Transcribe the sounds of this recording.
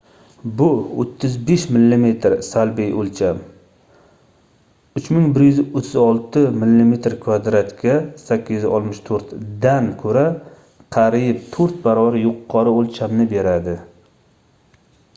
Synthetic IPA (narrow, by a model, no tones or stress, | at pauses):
bʊo̰t̪ʰːɪzbeʃmɪlːime̞t̪ɾsalbijʔolt͡ʃʰam | ʊt͡ʃmɪŋbɪɾjʏzɪʔot̪ʰːɪzɒlˠt̪ɪmɪlːime̞t̪ɾkʰvad̪ɾat̪kʲasakʲːɪzɪzɒ̰lt̪mɪʃt̪ʰoɾt̪d̪ankʰɵɾa | qʰɑɾip̚t̪ʰoɾt̪̚baɾɒvaɾjʊqʰːɒɾɪolt͡ʃʰamnɪbe̞ɾad̪ɪ